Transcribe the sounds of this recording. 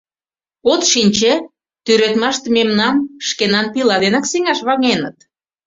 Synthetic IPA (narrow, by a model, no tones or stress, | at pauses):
ot̪ʃinʲt͡ɕe | t̪yɾet̪mɑʃt̪ememnɑmʃkenɑnpilɑd̪enɑksiŋɑʃβɑŋenə̰̆t̪